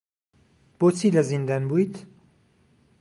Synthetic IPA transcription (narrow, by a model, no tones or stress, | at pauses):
b̥oːt͡sʰiːlɐzind̪anbuːjt̪